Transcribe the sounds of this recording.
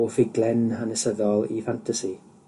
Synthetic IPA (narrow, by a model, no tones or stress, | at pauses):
ofɪɡlˠɛnanɛsəðɔlˠifantʰasi